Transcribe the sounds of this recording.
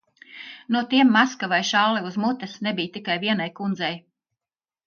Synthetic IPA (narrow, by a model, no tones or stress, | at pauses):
nuɔt̪iɛmːaskavajʃallɛuzmut̪ɛsnebijt̪ikajviɛnajkund̪zɛj